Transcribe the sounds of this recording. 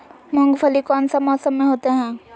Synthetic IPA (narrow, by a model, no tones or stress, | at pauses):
mə̃ŋɡfʰəlikɔːnsamɔːsəmːẽɦoːt̪eɦɛ̃ː